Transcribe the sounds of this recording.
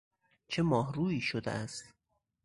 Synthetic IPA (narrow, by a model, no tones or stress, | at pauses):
t͡ʃʰe̞mɒːɦɾuːiːʃod̪ḛæst̪